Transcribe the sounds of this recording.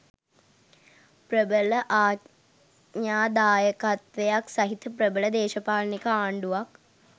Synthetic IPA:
prəbələʔaː | ɲaːd̪aːjəkat̪ʋejaksɐɦit̪əprəbələd̪eːʃɐpaːlnikəaːɳɖuʋak

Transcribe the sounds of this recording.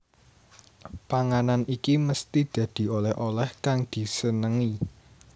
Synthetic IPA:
paŋananikiməst̪id̪̥ä̤d̪̥i̤olɛhʔolɛhkaŋd̪̥i̤sənəŋi

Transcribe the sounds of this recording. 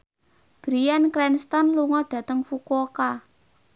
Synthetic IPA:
b̥ɾijankɾɛnst̪ɔnluŋɔɖ̥ä̤t̪əŋfukoka

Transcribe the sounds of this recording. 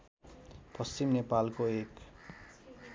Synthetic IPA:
pʌst͡ɕimnepalkoek

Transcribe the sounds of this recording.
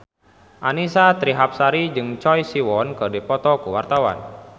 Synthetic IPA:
ʔanisat̪ɾiɦap̚saɾid͡ʒɨŋt͡ʃɔjsiwɔnkɨrdipɔt̪ɔkuwart̪awa̰n

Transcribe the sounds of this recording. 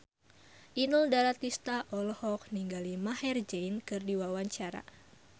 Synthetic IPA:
ʔinuldaɾat̪ist̪aʔɔlɔhɔk̚niŋɡalimahɛrd͡ʒɛjnkɨrdiwawaɲt͡ʃaɾa̰

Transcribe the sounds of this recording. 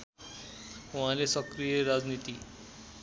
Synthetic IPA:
ʋalesəkɾijeɾad͡znit̪iː

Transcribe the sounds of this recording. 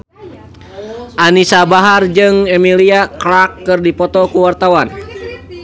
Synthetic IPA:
ʔanisabaɦard͡ʒɨŋɛmiliakɾakːɨrdipɔt̪ɔkuwart̪awan

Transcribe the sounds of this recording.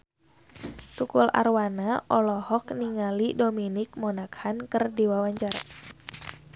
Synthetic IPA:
t̪ukula̰rwanaʔɔlɔhɔkniŋalidominɪk̚mɔnakhankɨrdiwawaɲd͡ʒar

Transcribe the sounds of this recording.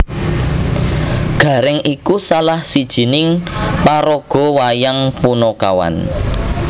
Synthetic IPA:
ɡ̥ä̤ɾɛŋikusalahsid̥ʒ̥i̤nɪŋpaɾɔɡ̥ɔ̤wajaŋpunɔka̰wa̰n

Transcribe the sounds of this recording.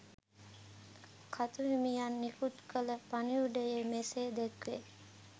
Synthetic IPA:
kʰat̪uɦimijanːikut̪kələpaniuɖəjemeseːd̪ekʋe

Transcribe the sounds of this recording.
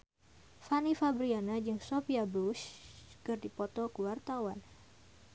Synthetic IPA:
fanifabɾianad͡ʒɨŋsofiabuskɨrdipɔt̪ɔkəwart̪awan

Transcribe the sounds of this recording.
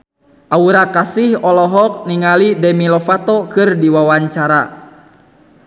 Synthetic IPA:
ʔauɾakasihɔlɔɦɔk̚niŋalidɛmilɔfat̪ɔkɨrdiwawaɲt͡ʃaɾa

